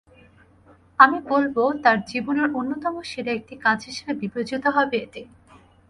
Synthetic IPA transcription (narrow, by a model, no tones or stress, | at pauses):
amibolbot̪aɾd͡ʑiboneɾonːot̪ɔmoʃeɾeek̚ʈikãd͡ʑɦiʃebebipɾod͡ʑit̪oɦɔbeet̪e